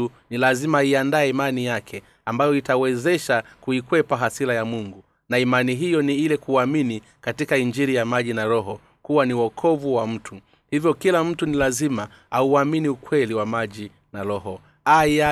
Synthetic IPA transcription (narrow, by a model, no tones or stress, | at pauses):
unilazimaiandaɛimanijakʰɛ | ambajɔitawɛzɛʃakuikwɛpaɦasilajamuŋɡu | naimaniɦijɔniilɛkuamini | katikaiɲd͡ʒiɾijamaʄinaɾɔɦɔ | kuwaniwɔkʰɔvuwam̩tʰu | hivjɔkilam̩tunilazima | auaminiukwɛliwamaʄi | naɾɔɦɔ | aa